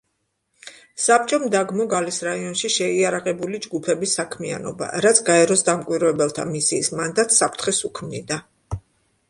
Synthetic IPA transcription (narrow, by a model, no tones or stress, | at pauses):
sap̚t͡ʃʼɔmd̪aɡmɔɡalisɾaiɔnʃiʃɛiaɾaqʼɛbulid͡ʒɡupʰɛbisakʰmia̰nɔ̰ba̰ɾat̪sʰɡaɛɾɔsd̪amkʼwiɾvɛbɛlˠt̪ʰa̰misiːsmand̪at̪sapʰt̪ʰχɛsukʰmnḭd̪a